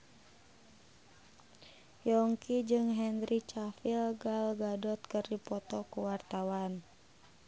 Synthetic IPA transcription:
jɔŋkid͡ʒɨŋɦɛnɾit͡ʃafilɡalɡadɔt̪̚kərdipɔt̪ɔkuwart̪awan

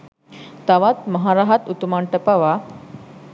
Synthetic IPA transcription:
t̪aʋat̪mɐɦaɾaɦat̪ut̪umaɳʈəpaʋa

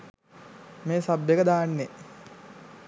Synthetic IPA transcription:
meːsabːjekəd̪aːnːe

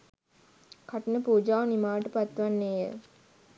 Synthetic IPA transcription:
kaʈinəpuːd͡ʒaːʋnimaːʋəʈəpat̪ːʋanːeːjə̰

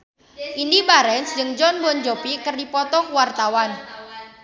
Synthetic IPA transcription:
ʔindibaɾɛnsd͡ʒɨŋd͡ʒɔnbɔnd͡ʒopikərdipɔt̪ɔkuwart̪awan

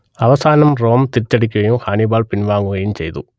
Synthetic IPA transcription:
ɐʋɐsaːnɐmɾoːmt̪iɾt͡ʃːɐɽikiejũhaːnibaːlpinʋaːŋɡuɐjimt͡ʃḛjd̪u

